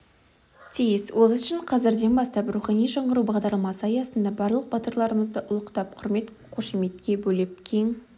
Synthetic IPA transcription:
t̪ʰijɪswʔo̞lˠʏʃɪɴqʰɑzɪɾd̪e̞nbɑst̪ɑpruχɑnijʒɑɴʁəɾubɑʁd̪ɑɾlˠmɑsəɑjɑsənd̪ɑbɑɾlˠəq̚bɑt̪əɾlˠɑɾəməzd̪əʔʊlˠəqt̪ɑp̚qʰʊɾme̞t̪ | qʰoʃime̞t̪kʲe̞bɵlɪp̚kʲʰe̞ŋ

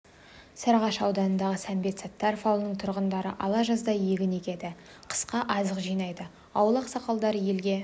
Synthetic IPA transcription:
sɑɾʁɑʃɑwd̪ɑnənd̪ɑʁəsæmbe̞t̪sɑt̪ːɑɾfɑw̪ˠnəɴt̪ʰʊɾʁənd̪ɑɾə̰ʔɑlˠɑʒɑzd̪ɑje̞ɡʲɪne̞kʲe̞d̪ɪ | qʰə̥sqɑʔɑzəqʒijnɑjd̪ə | ɑwlˠɑqsɑqɑlˠd̪ɑɾəje̞lɡʲe̞

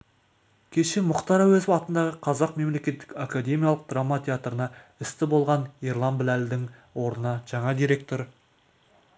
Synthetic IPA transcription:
kʲʰe̞ʃe̞mʊqt̪ɑɾɑwɵzɑt̪ənd̪ɑʁəqʰɑzɑqme̞mle̞kʲe̞t̪ːɪ̥kakad̪e̞mʲijalˠəq̚d̪ramːat̪ʲʰeat̪rənɑɪst̪ɪbo̞lˠʁɑnirlˠɑnbɪlæld̪ɪŋwo̞ɾnənɑʒ̥ɑɴɑd̪iɾe̞k̚t̪o̞ɾ

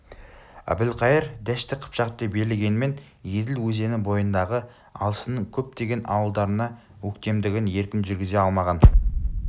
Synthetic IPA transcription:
æ̰bɪlqʰɑjəɾd̪æʃt̪ɪqʰə̥pʃɑʁ̚d̪epbe̞ɾɪlɡʲe̞nɪme̞n | je̞d̪ɪlwɵze̞nɪbo̞jənd̪ɑʁə | ɑlˠəsənəɴkʲʰɵp̚t̪eɡʲe̞nʔɑwəlˠd̪ɑɾənɑ | wɵkt̪e̞md̪ɪɡʲɪnje̞ɾkʲɪnʒʏɾɡʲɪze̞ɑlˠmɑʁɑn

